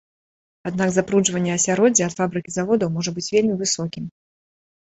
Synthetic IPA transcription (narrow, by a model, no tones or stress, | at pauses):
ad̪naɡzapɾuʐvɐnʲːɛɐsʲaɾɔd͡zʲiɐt̪fabɾɨkʲizavɔd̪ɐwmɔʐɐbɨt͡sʲvʲelʲmʲivɨsɔkʲim